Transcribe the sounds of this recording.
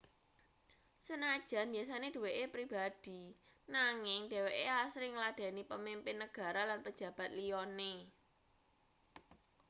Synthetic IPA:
sənad̥ʒ̥a̤nbias̬aned̥ṳweʔepɾib̥ad̪̥i̤naŋɪŋɖ̥ɛ̤weʔeasɾɪŋlad̥a̤nipəmimpɪnːəɡ̥ä̤ɾalanpə̥ʒ̥ä̤b̥ä̤t̪̚lijɔne

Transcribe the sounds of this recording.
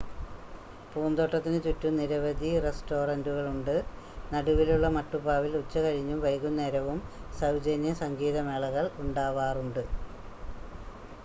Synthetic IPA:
puːnd̪oʈːɐt̪ːinɨt͡ɕutːumniɾɐʋɐd̪ʱiresto̞ːrɐnduɣɐɭuɳɖɨ | nɐɽuʋiluɭːɐmɐʈːupaːʋilut͡ɕːɐkɐɻiɲːumʋɐjkːunːɐeɾɐʋum | sɐwd͡ʑenjɐsɐŋɡiːðɐmeːɭɐɣɐɭuɳɖaːʋaːruɳɖɨ

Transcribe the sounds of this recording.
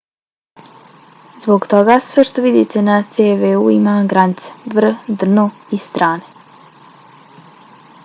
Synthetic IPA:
zboɡt̪oɡasʋeʃt̪oʋid̪ḭt̪e̞nat̪seʋeuimaɡɾanit̪se̥vr̩d̪r̩noist̪ɾʔaːne

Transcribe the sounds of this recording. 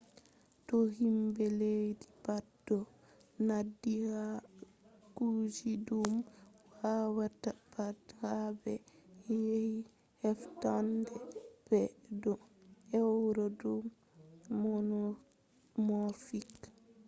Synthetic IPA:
tɔhimbɛlejdibadːɔ | nadːiha | kud͡ʒidumwawatːabathabɛjehi | hɛftandɛb̥ɛdɔɛwɾɔdumː | ɔn | mofik

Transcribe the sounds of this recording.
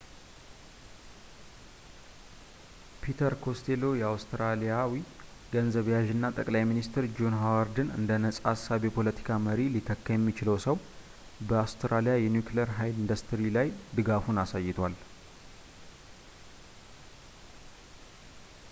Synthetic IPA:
pʰit̪ʰəɾkʰo̞st̪ʰelo̞jɛawst̪ɾalijawi | ɡənzəβjaʒɨnːat̪ʼəkʼlajminist̪ʰɾd͡ʒonɦawaɾd̪ɨnɨ̰nd̪ənəsʼasːaβjɛpʰo̞lət̪ʰi̥kʰaməɾilit̪ʰəkːəjɛmːit͡ʃɪləwsəw | bəawst̪ɾalijajɛnjukləɾɦajlind̪əst̪ʰɾilajd̪ɨɡafunasajːɪt̪ʰwal

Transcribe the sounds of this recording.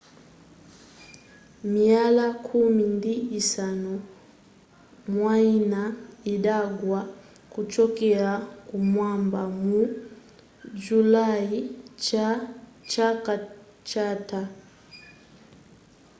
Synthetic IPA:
mialakʰumindiːsanu | mwainaidaɡwa | kut͡ʃɔkɛakumwambamu | d͡ʒulait͡ʃat͡ʃaka | t͡ʃata

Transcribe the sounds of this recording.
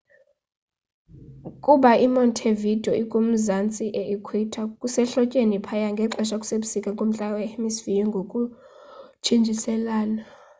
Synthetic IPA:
kʼuɓaimɔntʰevid̥ʱɔʔikʼom̩zant͡sʼiʔeʔikʰwitʰakʼusɛɬɔcʼenipʰajaŋɡʱɛǁɛʃakʼu̥seɓusikʼakʼom̩ɬʼawɛemisvijɔŋɡʱokʼu | t͡ʃʰind͡ʒʱisɛlaːna

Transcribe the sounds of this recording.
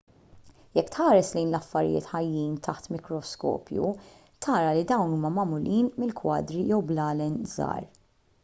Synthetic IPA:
jɛkːt̪ħɐːɾɛslɛjnlɐfːɐɾɪ̰jɪ̰ːt̪ħɐjːiːnt̪ʰɐħt̪mɪkɾɔskɔ̰ːpjṵ | t̪ʰɐːɾɐlid̪ɐwnuːmɐmɐmʊlʔiːnmɪlkwɐ̰ːd̪ɾijɛwblɐːlɛnzɐ̰ːɾ

